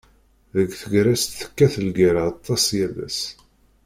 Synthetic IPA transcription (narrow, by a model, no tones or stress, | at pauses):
ðəɡθəɡɾæst̪θə̥kːæθəlɡiɾaɑt̪ˤːɑsjælæ̰s